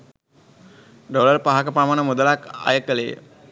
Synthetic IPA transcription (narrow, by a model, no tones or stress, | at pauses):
ɖoləɾpaɦakəpɾamanəmud̪əlaka̰jəkəlḛː